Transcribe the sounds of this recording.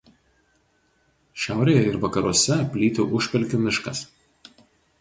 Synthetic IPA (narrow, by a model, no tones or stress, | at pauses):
ʃʲæˑʊɾʲeːjɛɪɾʋɐkɐɾuɔsʲɛpʲlʲiːt̪ʲʊʔʊʃʲpʲɛlʲkʲɪmʲɪʃkɐs